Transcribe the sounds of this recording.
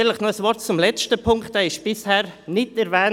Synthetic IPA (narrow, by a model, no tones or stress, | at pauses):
lɪχnɔəsʋɔɾtt͡sʊmlɛt͡stəpʰʊŋkχtɛɪʃb̥ɪshɛːɾnɪtɛɾvɛː